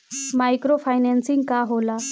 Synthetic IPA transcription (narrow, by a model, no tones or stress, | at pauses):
majkɾofajnansĩŋɡkaɦola